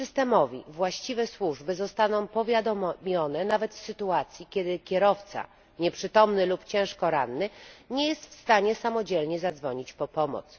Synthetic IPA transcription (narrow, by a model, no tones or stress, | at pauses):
sɘst̪ɛmɔvʲḭvwaɕt͡ɕivɛswuʐbɘzɔst̪anɔ̃w̃pɔvʲjad̪ɔmʲjɔnɛnavɛt̪fsɘt̪uat̪sʲjikʲjɛd̪ɘkʲɛɾɔft̪sa̰ | ɲɛpʂɘt̪ɔmnɘlupt͡ɕɛ̃w̃ʂkɔɾanːɘɲejɛst̪fst̪aɲɛsamɔd͡ʑɛlɲɛzad̪zvɔɲit͡ɕpɔpɔmɔ̰t̪s